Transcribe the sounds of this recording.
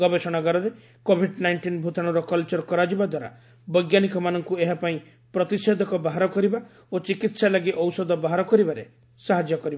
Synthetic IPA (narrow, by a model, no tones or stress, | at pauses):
ɡɔbesɔɽ̃aɡaɾɔɾe | kobʱiɖnajɳʈinbʱut̪aɽ̃ɔɾɔkɔlt͡ʃɔɾkɔɾad͡ʒibad̪waɾa̰ | bɔjɡjanikɔmanɔŋkueɦapaĩ | pɾɔt̪ised̪ʱɔkɔbaɦaɾɔkɔɾiba | ot͡ʃikit̪salaɡiʔɔwsɔd̪ɔbaɦaɾɔkɔɾibaɾe | saɦad͡ʒjɔkɔɾiba